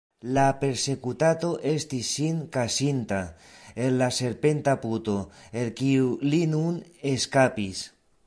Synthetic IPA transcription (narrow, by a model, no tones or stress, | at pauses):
lape̞ɾse̞kut̪at̪o̞ʔe̞st̪isːiŋkasint̪a | elːase̞ɾpe̞nt̪aput̪o̞elkiulinuneskapis